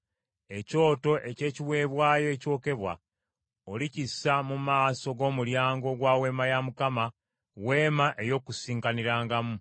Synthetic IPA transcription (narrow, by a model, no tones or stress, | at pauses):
e̞co̞ːto̞ʔe̞ce̞ːciwe̞ːβwaːjo̞eco̞ːke̞βwa̰ | olicisːamumaːso̞ɡo̞ːmuljaːŋɡo̞ɡwaːwe̞ːmajamukama | weːmaʔe̞jo̞ːkusiːŋkaniɾaːŋɡamu